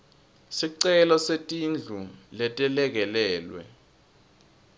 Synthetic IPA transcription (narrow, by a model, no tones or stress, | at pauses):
siǀɛlɔsetʼind͡ɮʱulɛtʼɛlɛk̬ɛlɛːlwɛ̰